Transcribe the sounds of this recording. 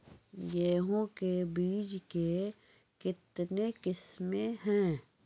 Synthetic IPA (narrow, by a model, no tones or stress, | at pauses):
jeːɦõkebiːd͡ʒke | kɪt̪nekɪsmeɦɛ̃ː